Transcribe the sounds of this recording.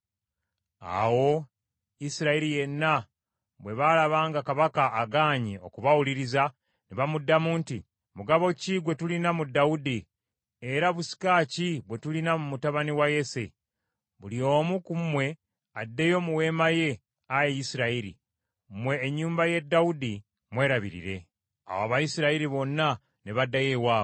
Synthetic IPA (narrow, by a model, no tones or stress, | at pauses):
a̰wo̞ | isiɾaiɾije̞nːa | βwe̞βalaβaːŋɡakaβakaʔːɡaːɲio̞̰kuβawuliɾiza | niβamudːamuːnti | muɡaβo̞ciɡwe̞tulinamudaudi | eɾaβusi̥kaːciβwe̞tulinamumutaβaniwaje̞se̞̰ | βulio̞ːmukumwe̞ | adːe̞jo̞muwe̞ːmaje̞ | ajejisiɾaiɾḭ | mwe̞ːɲːuːmbaje̞dːaudi | mwe̞ːɾaβḭɾḭɾe̞ | a̰waβajisiɾaiɾiβo̞nːa | neβadajewaːβo